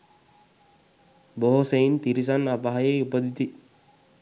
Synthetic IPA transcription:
boɦoseint̪iɾis̬anːapaɦajeupəd̪it̪i

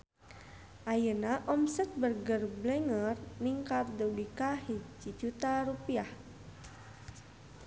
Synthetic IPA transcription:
ʔajənaʔɔmsɛt̪̚bərɡərblɛŋərniŋkard̪olikahed͡ʒid͡ʒut̪aɾupiah

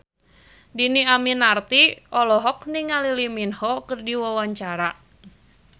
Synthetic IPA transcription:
diniaminart̪iʔɔlɔɦɔk̚niŋaliliminhɔkɨrdiwawaɲt͡ʃaɾa

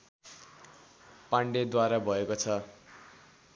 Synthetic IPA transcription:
paɳɖed̪waɾabʱʌekot͡sʰʌ

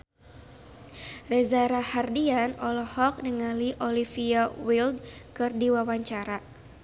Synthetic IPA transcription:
rɛzaɾahardianɔlɔhɔk̚nəŋaliʔɔlifiawildkɨrdiwawaɲt͡ʃaɾa

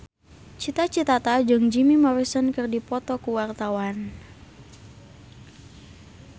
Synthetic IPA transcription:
t͡ʃit̪at͡ʃit̪at̪ad͡ʒɨŋd͡ʒimimɔɾisɔnkɨrdipɔt̪ɔkuwart̪awan

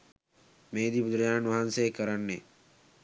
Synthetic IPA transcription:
meːd̪ibud̪ɾɐjaːnʋɐɦanseːkəɾɐnːe

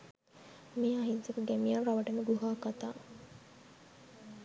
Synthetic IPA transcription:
miaɦinsekuɡæmijɐnraʋɐʈəmuɡuɦaːkat̪aː

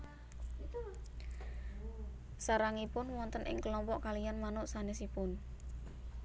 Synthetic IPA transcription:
saɾaŋipʊnwɔnt̪ənʔɪ̰ŋkəlɔmpɔʔkalijanmanʊʔsanɛsipʊn

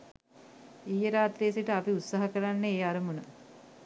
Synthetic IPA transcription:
iːjəɾaːt̪ɾijəsiʈəapiut̪saɦəkəɾanːəeːaɾəmunə

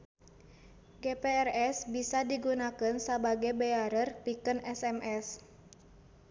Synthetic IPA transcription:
ɡepeɛrɛsbisadiɡunakɨnsəbaɡajbeaɾərpikənɛsɛmɛs

